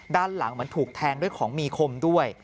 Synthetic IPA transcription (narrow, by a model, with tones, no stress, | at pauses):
daː˥˩nla˨˩˦ŋmɯ˥ənt̪ʰuː˨˩k̚t̪ʰɛː˧ŋdu˥˩əjkʰɔː˩˦ŋmiː˧kʰo˧mdu˥˩əj